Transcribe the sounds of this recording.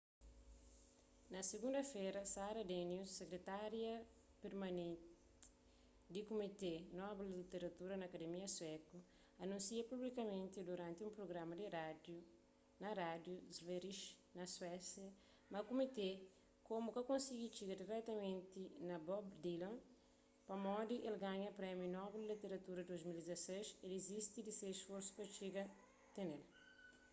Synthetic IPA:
nɐseɡũnd̪ɐfeɾɐsaɾɐd̪enjusːekɾet̪aɾjɐ | peɾmɐnẽnt | d̪ikomit̪enɔbellit̪eɾɐt̪uɾɐnɐːkɐd̪emiɐswɛku | ɐnũsiɐpublikɐmẽnt̪id̪uɾãnt̪iũmpɾoɡɾamɐd̪iɾad̪ju | nɐɾad̪juzveɾiʃ | nɐswɛsjɐ | mɐkumit̪e | komukɐkõnsiɡit͡ʃiɡɐd̪iɾɛkt̪ɐmẽnt̪inɐbɔbd̪ilɐ̃n | pɐmɔd̪iʔelɡaɲɐpɾɛmjunɔblilit̪eɾɐt̪uɾɐd̪ozmild̪izɐseʃelezist̪id̪isesfoɾsu̥pɐt͡ʃiɡɐ | t̪enel

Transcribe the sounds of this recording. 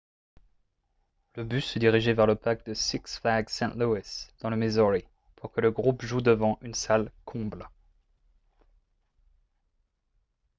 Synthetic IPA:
ləbysəd̪iʁiʒevɛʁləpakd̪əsiksflaɡsɛ̃t̪luisd̪̥ɑ̃ləmezɔʁi | pʰuʁkələɡʁupʒud̪əvɑ̃ʔynsalkʰɔ̃bl

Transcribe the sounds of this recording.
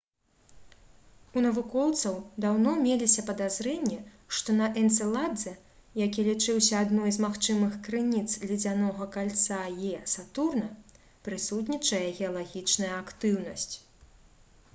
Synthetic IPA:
unɐvukɔwt̪sɐwd̪awnɔmʲelʲisʲɐpɐd̪azɾɛnʲːɛ | ʂt̪ɔnɐʔɛnt̪sɛlˠad̪zɛ | jakʲilʲit͡ʂɨwsʲɐad̪nɔjzmaxt͡ʂɨmɨxkɾɨnʲit̪slʲid͡zʲanɔɣɐkalʲt̪sajɛsat̪urnɐ | pɾɨsut̪̬nʲit͡ʂɐjɛɣʲɛɐlˠaɣʲit͡ʂnɐjɐakt̪ɨwnɐsʲt͡sʲ

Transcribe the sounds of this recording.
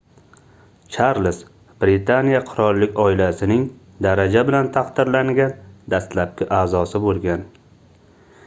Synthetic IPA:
t͡ʃʰaɾlɪs | b̥ɾɪt̪ʰanijaqʰʊɾɒlˠːɪkʲɒɪlasɪnɪŋ | d̪aɾad͡ʒabɪlant̪ʰaqd̪ɪɾlaŋɡʲand̪ast̪lap̚kʲɪʔaːzɒsɪbolˠɡʲan

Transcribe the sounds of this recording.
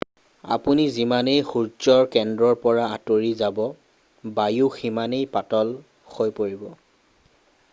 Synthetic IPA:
a̰punizimanejxuɹt͡ʃɔɹkɛndɹɔɹpɔɹaatoɹizabɔ | bajuximanejpatɔl | xojpoɹibɔ

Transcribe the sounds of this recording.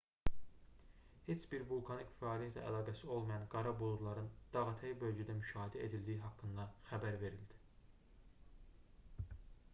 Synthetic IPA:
he̞t͡ʃbiɾvulˠkʰɑnicfæɑːlijæt̪ʰlæ̰æ̰lˠɑːɡæsio̞lˠmɑjɑnɡɑɾɑbulˠuɾlˠɑɾɯnd̪̥ɑɣɑt̪ʰæjibø̞lɟæd̪æmyʃɑːhed̪æe̞d̪ild̪iiɦɑkːɯnd̪ɑxæbæɾve̞ɾild̪i̥

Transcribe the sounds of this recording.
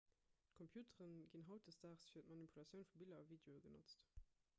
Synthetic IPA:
tkʰɔmpʰjuːtəʁənɡinɦɑʊt̚dəsdaːχsfiɐtmɑnipʰulɑt͡sjəʊnfubilɐɑviːdeoəɡəno̰t͡st

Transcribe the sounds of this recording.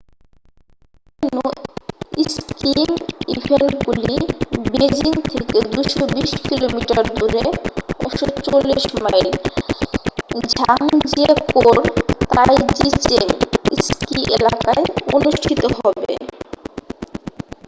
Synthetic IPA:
enu | iskimibʱenʈɡulibed͡ʑiŋt̪ʰeked̪uʃobiʃkilomiʈaɾd̪uɾeɔʃot͡ɕolːiʃmajl | d͡ʑʱaŋd͡ʑekoɾt̪ajd͡ʑit͡ɕemiskiʔelakaeonuʃʈʰit̪oɦɔbḛ

